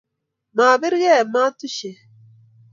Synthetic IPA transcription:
maː˨βɪ˦ɾɣe˦˨ma˦tu˦ʃe˨

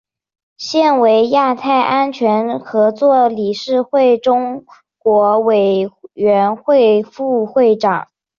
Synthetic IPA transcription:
ɕjɛ˥˩nwe˧˥ɪja˥˧t̪ʰa˥˩ɪʔa˥nt͡ɕʰɥɛ˧˥nxɤ˧˥t͡swɔ˥˩li˨˩ʂɻ̩˥˧xwe˥˩ɪʈ͡ʂʊ˥ŋ | kwɔ˧˥we˨˩ɪɥɛ˧˥nxwe˥˧ɪfu˥˧xwe˥˩ɪʈ͡ʂɑ̰˨˩˦ŋ

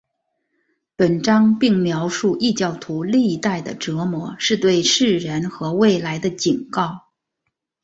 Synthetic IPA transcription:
pə˨˩nʈ͡ʂɑ˥ŋpi˥˩ŋmjɑ˧˥ʊʂu˥˧ʔi˥˧t͡ɕjɑ˥˩ʊt̪ʰu˧˥li˥˧t̪a˥˩ɪd̪ə̰˩ʈ͡ʂɤ˧˥mwɔ˧˥ʂɻ̩˥˧t̪we˥˧ɪʂɻ̩˥˩ɻə˧˥nxɤ˧˥we˥˩ɪla˧˥ɪd̪ə˧t͡ɕi˨˩nkɑ˥˩ʊ

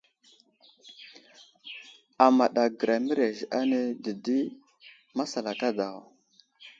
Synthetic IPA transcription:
a˨ma˨ɗa˨ɡə˨ɾa˨mi˦ɾe˨ʒa˦ne˦di˨di˦ | ma˦sa˨la˨ka˦da˨

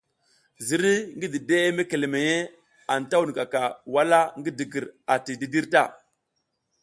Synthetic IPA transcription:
zi˨ɾi˦ŋɡi˦di˨de˦e˦me˦ke˨le˨me˨je˦ | a˨n˨ta˦wu˨ni˨ka˨ka˨wa˦la˦ŋɡi˦di˨ɡi˨ɾa˨ti˨di˦di˦ɾta˦˨

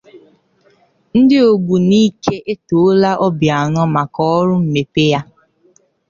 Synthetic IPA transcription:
n̩˦dɪ˦o˨ɡʷu˨niː˦kʰe˦ʔe˦to˨˦la˦ʔɔ˦bja˨nɔ˦ma˨kɔ˦ɔ˦ɾʊ˦m̩˨me˨pe˦ja˦

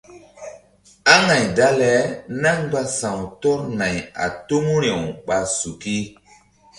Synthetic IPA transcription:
a˦ŋa˨jda˦lɛ˨˦na˦ŋɡ͡ba˦sã˨wto˦ɾna˨ja̰˨to˦mu˦ɾe˨wɓa˨su˨ki˦

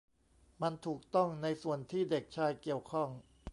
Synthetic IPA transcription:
ma˧nt̪ʰuː˨˩k̚t̪ɔ˥˩ŋna˧jsu˨˩ənt̪ʰiː˥˩de˨˩k̚t͡ɕʰaː˧jki˨˩əwkʰɔ˥˩ŋ

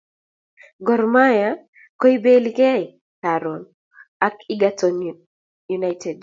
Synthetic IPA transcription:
ɡɔ˨rma˦ja | kɔ˦i˦be˦li˦kɛ˦i | kaɾɔn | a˦ki˦ɡatɔn | ju˨na˦tʰɛ˨d

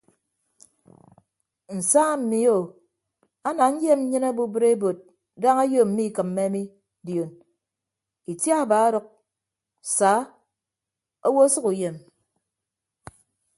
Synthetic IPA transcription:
n̩˨sa˦m̩˨mi˨o˨ | a˦na˨ɲ̩˦je˦m̩˦ɲɨ˦na˦bu˦bɨ˦ɾe˦bo˨t̚ | da˦ŋa˦jo˦˨m̩˨mi˦˨kɨ˨m̩ːe˦mi˦ | djo˨n | i˨tja˦a˨baː˨˦a˦ɾɨ˨k̚ | saː˨˦ | o˦wo˦sɨ˦ku˨je˨m

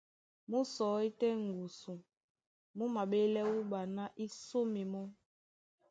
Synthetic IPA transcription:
mu˦sɔ˨˦i˦tɛ˦ŋ˨ɡu˨su˨ | mu˦ma˨ɓe˦lɛ˦wu˦ɓa˨na˦ʔi˦so˦mi˨mɔ˦

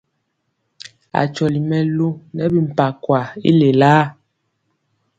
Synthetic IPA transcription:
a̰˨t͡ʃɔ˨li˨mɛ˨lo˦nɛ˦bi˨m̩˨pa˨kwa˨ḭ˦le˨laː˦

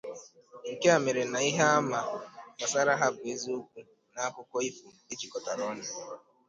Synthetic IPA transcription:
ŋ̩˨ke˦a˨me˨ɾe˨na˨i˦ɦa˦a˦ma˨ka˨sa˦ɾa˦ɦa˦bʊ˨e˦zi˦u˦kʷu˦ | na˦a˦kʊ˦kɔ˦i˦fu˨e˦ki˨kɔ˨ta˨ɾɔ˦na˦

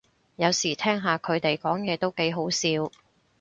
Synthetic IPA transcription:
jɐ˨˧wsiː˨˩t̪ʰɛː˥ŋɦaː˨kʰɵ˨˧ɥt̪e˨jkɔː˨˥ŋjɛː˨˧t̪o˥wke˨˥jɦo˨˥wsiː˧w

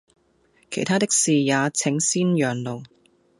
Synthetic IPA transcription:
kʰe˨˩jt̪ʰaː˥t̪ɪ˥k̚siː˨jaː˨˧t͡sʰɪ˨˥ŋsiː˥njœː˨˩ŋlo˨˩w

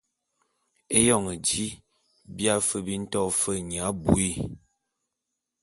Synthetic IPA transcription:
e˦jɔ˦˨ŋə˨d͡ʒi˦ | bja˦fə˦bi˦n̩˦tɔ˦˨fə˦˨ɲ˨a˨˦bṵ˨i˦˨

